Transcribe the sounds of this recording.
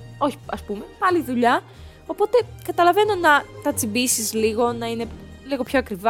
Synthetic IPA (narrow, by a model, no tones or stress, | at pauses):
o̞çi̥ɐspume̞pɐliðuʎɐ | o̞po̞t̪e̞kɐt̪ɐlɐve̞no̞nɐt̪ɐt͡sibisizliɣo̞nɐine̞liɣo̞pçoɐkɾivɐ